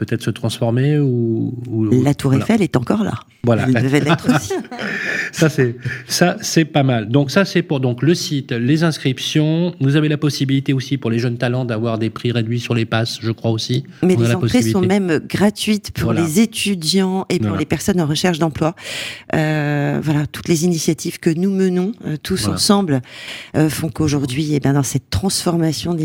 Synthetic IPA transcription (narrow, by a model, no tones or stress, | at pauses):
pət̪ɛt̪χə̥sət̪χɑ̃sfɔʁmeuulat̪ʰuʁefɛlɛt̪ɑ̃kɔʁla̰ | vwala̰d̪əvɛlɛt̪χosi | sasɛsasɛpamald̪ɔ̃ksasɛpuʁd̪ɔ̃kləsit̪lezɛ̃skχipsjɔ̃vuzavelapɔsibilit̪eosipuʁleʒənt̪alɑ̃d̪avwaʁd̪epχiʁed̪ɥisyʁlepasʒəkχwaosi | mɛ̃lealaɑ̃psχeisɔ̃mɛmɡʁat̪ɥit̪pʰuʁllezet̪ʰyd̪jɑ̃epuʁlepɛʁsɔnɑ̃ʁəʃɛʁʃd̪ɑ̃plwaøvwalat̪u̥t̪lezinisjat̪ivkənumənɔ̃øt̪ʰusɑ̃sɑ̃bløfɔ̃koʒuʁd̪ɥiebjɛ̃d̪ɑ̃sɛt̪ːχɑ̃sfɔʁmasjɔ̃d̪